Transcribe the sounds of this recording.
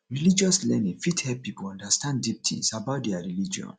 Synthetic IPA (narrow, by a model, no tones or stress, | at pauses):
ɹilid͡ʒɔslɛnĩŋfithɛp̚ːipuɔ̃ndastãnddip̚tʰḭ̃nsabaʊt̚dɛaɹilid͡ʒiɔ̰̃n